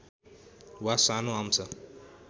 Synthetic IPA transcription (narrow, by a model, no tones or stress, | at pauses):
wasanʊam̩sa